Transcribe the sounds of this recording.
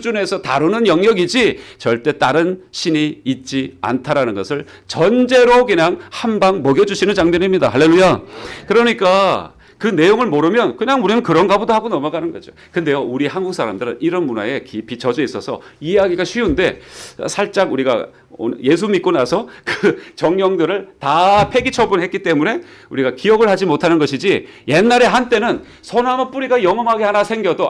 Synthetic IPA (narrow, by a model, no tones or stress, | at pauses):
d͡ʑune̞sʰʌtaɾunɯnjʌŋjʌɡid͡ʑit͡ɕʌɭt͈e̞t͈aɾɯnɕʰiniːt̚t͡ɕ͈ia̰ntʰaɾanɯnɡʌsʰɯɭ | t͡ɕʌnd͡ʑe̞ɾokɯɲaŋhanbaŋmʌɡjʌd͡ʑuɕʰinɯnt͡ɕaŋmenimɲida̰ɦaɭːe̞lːujakɯɾʌɲik͈a | kɯne̞joŋɯɭmoɾɯmjʌnkɯɲaŋuɾinɯnkɯɾʌnɡabudoɦaɡonʌmaɡanɯnɡʌd͡ʑo̰ | kɯnde̞jouɾiɦanɡuk̚s͈ʰaɾamdɯɾɯ̰niɾʌnmuna̰e̞kipʰit͡ɕʌd͡ʑʌis͈ʌsʰʌieɦaɡiɡaɕʰɥiunde̞sʰaɭt͡ɕ͈aɡuɾiɡa̰ | o̰nje̞s̬ʰumik͈onasʰʌkɯt͡ɕʌŋɲjʌŋdɯɾɯɭtapʰe̞ɡit͡ɕʰʌbunɦet̚k͈it͈e̞mune̞uɾiɡakijʌɡɯɭhad͡ʑimotʰanɯnɡʌɕʰid͡ʑi | je̞nːaɾe̞ɦant͈e̞nɯn | sʰonamɯp͈uɾiɡajʌŋʌŋɦaɡeɦanasʰe̞ŋɡjʌdo